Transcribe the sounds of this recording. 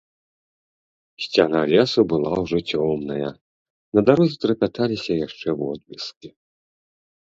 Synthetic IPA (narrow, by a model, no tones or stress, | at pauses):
sʲt͡sʲanalʲɛsubɨlˠawʐɔt͡sʲɔmnɐjɐ | nɐd̪aɾuzt̪ɾɐpʲat̪alʲisʲɐjaʂt͡ʂɛwɔ̰d̪̚mʲiskʲi